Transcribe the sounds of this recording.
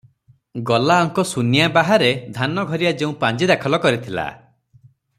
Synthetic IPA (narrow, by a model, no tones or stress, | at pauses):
ɡɔlaɔŋkɔsunjabaɦaɾed̪ʱanɔɡʱɔɾijad͡ʒeũpãnd͡ʒid̪akʰɔlɔkɔɾit̪ʰila̰